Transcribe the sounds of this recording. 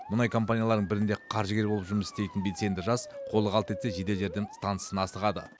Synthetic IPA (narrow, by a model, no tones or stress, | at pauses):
mʊnɑjkʰo̞mpanʲijalˠɑɾd̪əɴbɪɾɪnd̪e̞qʰɑɾʒəɡʲe̞ɾbolˠəpʒʊɾməsɪ̥st̪e̞jt̪ɪnbese̞nd̪ɪʒɑzqʰo̞lˠəʁɑlˠət̪ʰe̞t̪se̞ʒe̞d̪e̞lʒe̞ɾd̪ɪŋst̪ansə̥sənɑsəʁɑd̪ə̰